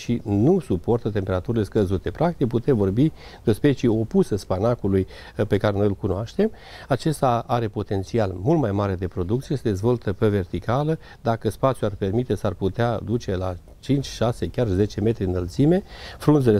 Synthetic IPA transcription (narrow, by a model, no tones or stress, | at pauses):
ʃinusupo̞rt̪ət̪e̞mpeɾat̪uɾile̞skəzut̪e̞pɾak̚t̪ik̚put̪e̞mvo̞rbi | d̪ospe̞t͡ʃio̞pusəspanakuluj | pe̞kaɾeno̞jilkunoaʃt̪e̞m | at͡ʃe̞st̪aaɾe̞po̞t̪e̞nt̪sialmult̪majmaɾe̞d̪e̞pɾo̞d̪ukt̪sijesed̪e̞zvo̞lt̪əpeve̞rt̪ikalə | d̪akəspat̪sʲjuarpe̞rmit̪e̞sarput̪ead̪ut͡ʃe̞la̰ | t͡ʃint͡ʃʲʃasekʲarze̞t͡ʃe̞me̞t̪ɾiɨnəlt̪sime̞fɾunzele